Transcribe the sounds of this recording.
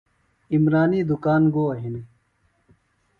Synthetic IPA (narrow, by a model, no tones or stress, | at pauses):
imɾaːniːd̪ukaːnɡoːɐɦine